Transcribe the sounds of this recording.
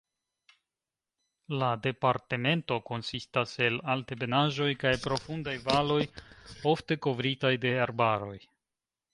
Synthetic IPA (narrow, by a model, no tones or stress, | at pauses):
lade̞paɾte̞me̞nto̞ko̞nsistase̞laltebe̞naʒo̞jkajpɾo̞fundajvalo̞jo̞fte̞ko̞vɾitajde̞aɾbaɾo̞̰j